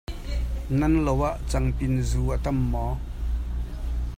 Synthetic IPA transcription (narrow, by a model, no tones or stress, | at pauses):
nɐnlowaʔt͡sɐŋpɪnzuʔət̪ɐmːɔ